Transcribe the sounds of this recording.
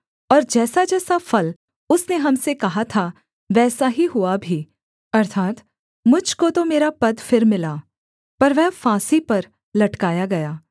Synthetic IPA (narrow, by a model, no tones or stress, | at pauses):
ɔːɾd͡ʒɛːsad͡ʒɛːsafɐl | ʊsneɦɐmsekɐɦat̪ʰa | ʋɛːsaɦiɦʊabʱiː | ɐɾt̪ʰaːt̪ | mʊd͡ʒʱkot̪omeːɾapɐd̪fɪɾmɪlaː | pɐɾʋɛːfãːsipɐɾ | lɐʈkaːjaɡɐjaː